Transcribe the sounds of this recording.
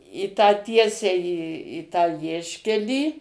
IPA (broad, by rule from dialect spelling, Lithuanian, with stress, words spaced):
iː tɑː ˈtʲiɛsʲɛɪ iː iː ˈtɑː ˈʋʲiɛʃʲkʲɛlʲiː